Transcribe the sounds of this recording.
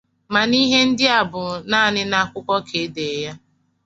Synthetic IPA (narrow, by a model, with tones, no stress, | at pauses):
ma˨ni˦ɦe˦n̩˦dɪ˦a˨bʊ˨na˦˨nɪ˦na˦˨kʷʊ˦kʷɔ˦kʰe˨˦de˨˦ja˦